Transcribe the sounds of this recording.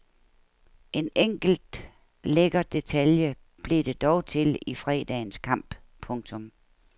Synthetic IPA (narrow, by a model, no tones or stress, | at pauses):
ʔe̝neŋ̰ɡ̥l̩d̥ | leɡ̥ɐd̥e̝t͡sʰæljə | b̥lid̥e̝d̥ɒʊt͡sʰe̝lifʁɛ̰ːd̥ɛ̰ːnskʰɑ̈m̰b̥ | pʰɔ̽ŋt͡sʰɔ̽m